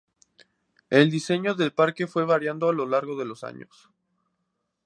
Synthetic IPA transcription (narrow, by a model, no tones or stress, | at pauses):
eld̪ise̞ɲo̞ðe̞lpaɾke̞fwe̞β̞aɾjand̪oalo̞laɾɣo̞ðe̞losa̰ɲo̰s